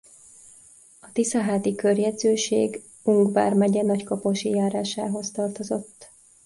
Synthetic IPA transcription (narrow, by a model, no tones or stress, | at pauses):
ɒt̪isɒɦaːt̪ikørjɛd̪zøːʃḛːɡ | uŋɡva̰ːrmɛɟɛnɒckopoʃijaːɾaːʃa̰ːɦo̞st̪ɒrt̪o̞zo̞̰t̪ː